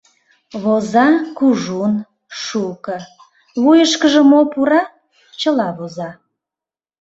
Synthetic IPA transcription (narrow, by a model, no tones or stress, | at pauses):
βozɑkuʒun | ʃukə | βujəʃkəʒə̆mopuɾɑ | t͡ɕəlɑβozɑ